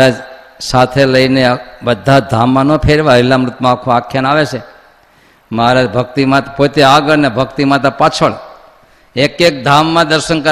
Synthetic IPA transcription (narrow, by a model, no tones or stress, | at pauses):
ad͡ʒ | sat̪ʰeləinebəd̪ʱːad̪ʱamːãnopʰeɾʋailːamɾʊt̪mãːkʰoakʰjanaʋet͡ʃʰe | maɾad͡ʒbʱək̚t̪imãt̪pot̪eaɡəɾnebʱəkt̪imãt̪əpat͡ʃʰəɭ | ekek̚d̪ʱamːãd̪əɾʃənkə